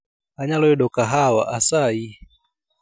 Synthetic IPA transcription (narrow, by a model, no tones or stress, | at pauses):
aɲalɔɛɗɔkaɦawaʔasai